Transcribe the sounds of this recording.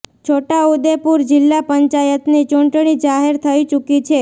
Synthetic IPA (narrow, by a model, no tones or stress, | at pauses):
t͡ʃʰoʈaud̪epuɾd͡ʒɪlːapəɲt͡ʃajət̪nit͡ʃuɳʈɳ̃id͡ʒaɦeɾt̪ʰəit͡ʃukit͡ʃʰe